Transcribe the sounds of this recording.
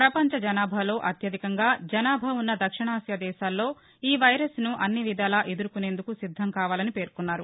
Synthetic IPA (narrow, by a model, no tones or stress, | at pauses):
pɾɐpɐɲt͡ʃɐd͡ʒɐnaːbʱɐlo̞ːʔɐt̪jɐd̪ʱikɐŋɡaːd͡ʒɐnaːbʱɐunːɐd̪ɐkʂiɳaːsjad̪ɛːʃaːlːo̞ː | iːʋɐjɾɐsnuʔɐnːiʋid̪ʱaːlaʔed̪uɾukune̞ːnd̪ukusid̪ʱːɐmkaːʋaːlɐnipe̞ːɾkunːaːɾu